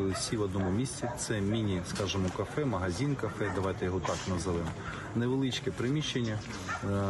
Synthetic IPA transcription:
lˠɪsʲiʋɔd̪nɔmʊmʲisʲt͡sʲit̪sɛmʲinʲiskɑʒemɔkɐfɛmɐɦɐzʲinkɐfɛd̪ɐʋɑjt̪ɛjɔɦɔt̪ɑknɐzɐʋɛm | neʋelˠɪt͡ʃkɛpɾɪmʲiʃenʲːɐ

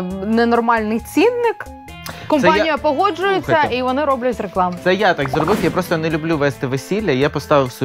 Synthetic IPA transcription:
nɛnɔrmɑlʲnɪjt͡sʲinːɪk | kɔmsɛanʲijɐpɔɦɔd͡ʒʊjʊt͡ssʲːɐiʋɔnɪɾɔblʲɐtʲreklˠɑmsɛjat̪akzɾɔbɪfʲjapɾɔst̪ɔnɛlʲʊblʲuʋɛst̪ɪʋesʲilʲːɐijapɔst̪ɑʋɪwsʲʊ

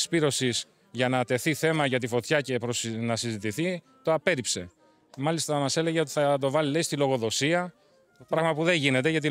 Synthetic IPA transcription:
spiɾo̞sis | ʝɐnɐt̪e̞θiθe̞mɐʝɐt̪ifo̞t̪çɐce̞pɾosnɐsizit̪iθi | t̪o̞ɐpe̞ɾipse̞ | mɐlist̪ɐmɐsele̞ʝe̞o̞t̪i̥θɐt̪o̞vɐlileist̪ilo̞ɣo̞ðo̞siɐ | t̪opɾɐɣmɐpuðe̞ɲʝine̞t̪e̞ʝɐt̪̬i

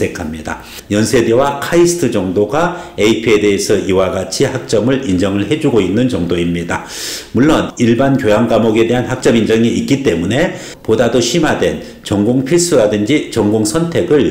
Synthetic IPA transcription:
ekʰamɲida̰ | jʌnsʰe̞ɡewakʰaisʰɯ̥tʰɯd͡ʑʌŋdoɡaeipʰiede̞esʰʌʔiwaɡat͡ɕʰihak̚t͡ɕ͈ʌmɯɭind͡ʑʌŋɯɭɦe̞d͡ʑuɡoinːɯnt͡ɕʌŋdoimɲida | muɭːoniɭbankjojaŋɡamoɡe̞de̞ɦanhak̚t͡ɕ͈ʌmind͡ʑʌŋiːk͈it͈e̞mune̞ | podadoɕʰimadwe̞n | t͡ɕʌŋɡoŋpʰiɭs͈ʰɯɾadɯnd͡ʑit͡ɕʌŋɡoŋsʰʌntʰe̞ɡɯɭ

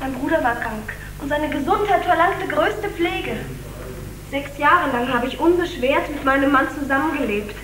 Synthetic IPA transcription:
maɪnbʁuːɾɐvaːɐkʁ̥aŋk | ʔʊntz̥aɪnəɡəzʊnthaɪtfɛɐlaŋktəɡʁøːstəp͡fleːɡə | z̥ɛksjaːʁəlaŋɦaːbəɪçʔʊnbəʃv̥eːɐtmɪtmaɪnəmːant͡suzamənɡəleːp̚t

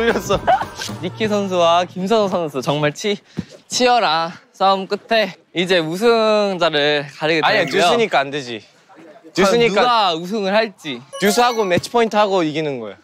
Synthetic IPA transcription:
ʌs͈ʌɾikʰisʰʌns̬ʰuwakimsʰʌŋs̬ʰʌnsʰɯt͡ɕʌŋmaɭt͡ɕʰit͡ɕʰiʌɾas͈ʰamk͈ɯtʰe̞ | id͡ʑe̞us̬ʰɯŋd͡ʑaɾɯɭɭkaɾɯɡeaeɲeujosʰɯɲik͈aanded͡ʑi | uɯɲik͈aɡaus̬ʰɯŋɯɭhaɭt͡ɕ͈injus̬ʰɯhaɡomet͡ɕʰɯ̥pʰʌintʰɯhaɡoiɡinɯnɡʌ̰ḛj

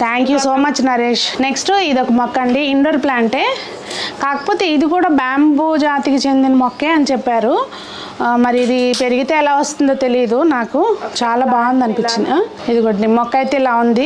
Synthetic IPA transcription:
t̪ʰaːŋkjusoːmɐt͡ʃːnɐɾeːʂneksʈid̪okːɐmɔkːɐɳɖiːɳɖoɾplaːɳʈe̞ː | kaːkɐ̥po̞ːt̪e̞ːid̪ikuːɽaːbaːmbud͡ʒaːt̪ikit͡ʃe̞nd̪inɐmɔkːe̞ːɐnit͡ʃɛpːaːɾu | mɐɾiːd̪ipe̞ɾiɡit̪eːɛlaːʋɐst̪und̪oːt̪e̞lijɐd̪unaːkut͡ʃaːlaːbaːɡɐnd̪ɐnipit͡ʃːinɐ | id̪ikuːɽanimɔkːɐjt̪eːlaːund̪i

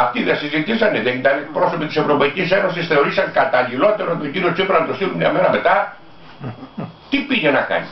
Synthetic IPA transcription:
ɐft̪iðesizit̪isɐneðeit̪ɐnepɾo̞so̞pit̪i̥se̞vɾo̞pɐicise̞no̞sisθe̞o̞ɾisɐŋkɐt̪ɐlilo̞t̪e̞ɾot̪ociniot͡sipeɾɐnt̪ost̪ilumɲɐ̰me̞ɾɐme̞t̪ɐ | t̪ipiʝenɐkɐ̰ni

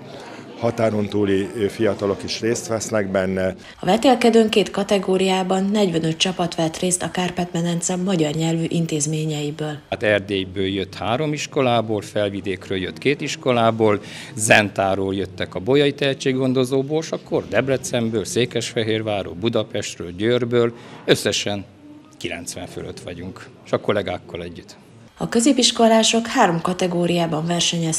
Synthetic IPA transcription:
hɒt̪aːɾo̞nt̪uːlifijɒt̪ɒlo̞kiʃreːst̪ʋɛsnɛɡbɛnːɛ | ɒvɛt̪eːlkɛd̪øːŋkeːt̪kɒt̪ɛɡoːɾijaːbɒnːɛɟvɛnø̞t̪̚t͡ʃɒpɒt̪ʋɛt̪reːst̪ɒkaːrpɛt̪mɛnɛnt̪sɛmmɒɟɒrɲɛlvyʔint̪eːzmeːɲɛjibøːlt̪ɛrd̪eːjbøːljøt̪haːɾo̞miʃko̞laːboːlfɛlvid̪eːkrøːljøt̪keːt̪iʃko̞laːboːl | zɛnt̪aːɾoːljøt̪ːɛkɒbojɒit̪ɛɦɛtt͡ʃːeːɡɡo̞nd̪o̞zoːboːlʃɒkːo̞rd̪ɛblɛt̪sɛmbøːlseːkɛʃfɛɦeːrvaːɾo̰ːbud̪ɒpɛʃt̪røːlɟøːrbøːløsːɛʃɛn | kilɛ̰nt̪sʋɛ̰ɱfølø̰t̪ʋɒ̰ɟuŋk | ʃɒko̞lɛɡaːkːɒlɛɟːyt̪ | ɒkø̞zeːpiʃko̞laːʃo̞khaːɾo̞mkɒt̪ɛɡoːɾijaːbɒɱvɛrʃɛɲɛ

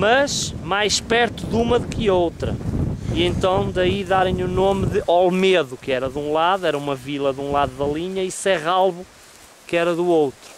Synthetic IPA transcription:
mɐʃmajʃpɛɾt̪uðumɐðukɨowt̪ɾɐ̰iẽnt̪ɐ̃w̃d̪ɐiðaɾẽj̃unomðɨʔɔlˠmeðukɨɛɾɐðũlˠaðuɛɾɐumɐvilˠɐðũlˠaðuðɐlˠiɲɐisɛʁalˠβu | kɛɾɐðuowt̪ɾu

